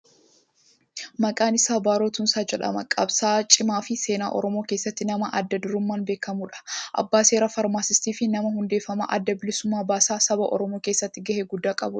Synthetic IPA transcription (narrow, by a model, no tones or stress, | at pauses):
mɐkʼaːnɪsaːbaːɾo̞ːt̪ʊnsaːd͡ʒɛᶑɐ̰mɐ̰kʼɐbsaːt͡ʃʼɪmaːfɪse̞ːna̰ːʔɔ̰ɾɔmo̞ːkeːsːɐt̪ːɪnɐmɐʔɐd̪ːɐd̪ʊɾʊmːaːnbe̞ːkːɐmuːᶑɐ̥ʔɐ̰bːaːse̞ːɾaːfɐɾmaːsɪst̪iːfɪnɐmɐhʊnd̪e̞ːfːɐmɐ̰ʔɐ̰d̪ːɐbɪlɪsʊmːaːbaːsaːsɐbɐʔɔ̰ɾɔmoːke̞ːsːɐt̪ːɪɡɐheɡʊd̪ːaːkʼɐ̰bʊɐ̥